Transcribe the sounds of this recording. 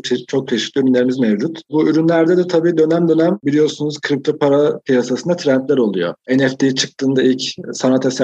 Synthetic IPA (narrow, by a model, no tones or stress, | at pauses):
t͡ʃʰit͡ʃʰo̞k̚t͡ʃʰeʃicʰʲlʲiyɾynlʲeɾimizmevd͡ʒut̪buyɾynlʲæɾd̪ɛd̪ɛt̪ʰabiːd̪ø̞næmd̪ø̞næmbilʲijo̞ɾsunuz̥kʰɾip̚t̪ʰopʰaɾapijasasɯnd̪at̪ʰɾænt̪lʲæɾo̞lˠujo̰ɛnɛft̪ʰijt͡ʃʰɯ̥k̚t̪ʰɯːnd̪ailʲcsanat̪ʰes